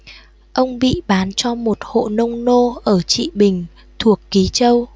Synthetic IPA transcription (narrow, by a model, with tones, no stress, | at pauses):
ʔə˧wŋ͡mɓḭ˧˨ɓaː˨˦nt͡ɕɔ˧mo˨˩t̚ho̰˧˨nə˧wŋ͡mno˧ʔəː˧˩t͡ɕḭ˧˨ɓï˨˩ŋ̟ | t̪ʰu˨˩əkːi˨˦t͡ɕə˧w